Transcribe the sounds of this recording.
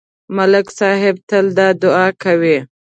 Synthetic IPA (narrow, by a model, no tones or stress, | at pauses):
malɪksɑɦɪb̚t̪əld̪ɑd̪ʊɑkawi